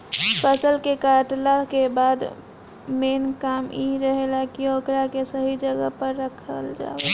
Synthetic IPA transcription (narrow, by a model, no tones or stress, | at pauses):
pʰəsəlkekaʈlakebaːd̪ | meːnkaːmiɾəɦelakioːkɾakesəɦid͡ʒəɡəpəɾːəkʰəld͡ʒa̰ːe